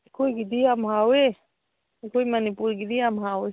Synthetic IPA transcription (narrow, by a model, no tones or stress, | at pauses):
koiɡid̪iamɦawe | koimanipuɾɡid̪iamɦawe